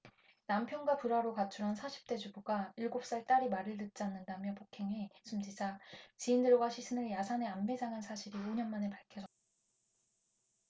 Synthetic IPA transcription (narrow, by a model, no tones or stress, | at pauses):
nampʰjʌnɡwapuɾaɾokat͡ɕʰuɾɦansʰaɕʰi̥p̚t͈e̞d͡ʑubuɡaiɭɡop̚s͈aɭt͈aɾimaɾɯɭtɯt̚t͡ɕ͈anːɯndamjʌpokʰe̞ŋesʰumd͡ʑid͡ʑat͡ɕiːndɯɭɡwaɕʰisʰɯnɯɭjasʰane̞ambe̞d͡ʑaŋɦansʰaɕʰiɾioɲʌnmane̞paɭkʰjʌd͡ʑʌt̚t͈a